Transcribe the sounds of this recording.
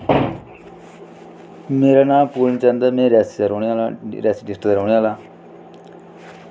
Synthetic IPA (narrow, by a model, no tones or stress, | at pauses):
meːɾaːnãːpuːlnt͡ʃãːnd̪aːmẽːɾɛːsɾoːɳalɾɛːsiɖɪsʈ̪ɾoːɳiaːlaː